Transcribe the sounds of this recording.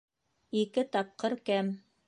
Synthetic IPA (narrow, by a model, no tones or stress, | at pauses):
ikɘt̪ɑp̚qɤɾkæm